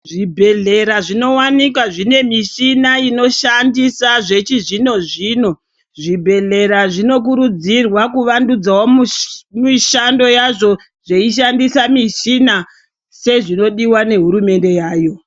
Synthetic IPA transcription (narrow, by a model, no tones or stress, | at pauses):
ʐibʱe̞ɮe̞ɾaʐino̞wanik̬waʐine̞miʃinaino̞ʃandisaʐe̞t͡ʃiʐino̞ʐiːno̞ | ʐibʱe̞ɮe̞ɾaʐino̞k̬uɾud͡zirwakuʋandud͡zawommiʃando̞jaʐo̞ | ʐeiʃ̬andisamiʃina | se̞ʐino̞ɗiwane̞ɦuɾume̞nde̞jaːjo̞